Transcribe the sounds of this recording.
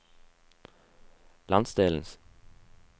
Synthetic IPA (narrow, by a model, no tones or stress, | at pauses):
lɑnsd̪eːln̩s